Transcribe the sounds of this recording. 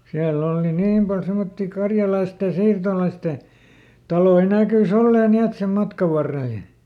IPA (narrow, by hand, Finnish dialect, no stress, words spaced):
siælː ol ni niːm pɑl semotːi kɑrjɑlɑisteˑ siːrtolɑiste tɑloi næˑkys olːeː ni et sem mɑtkɑʋ ʋɑrːel j̆ɑ̆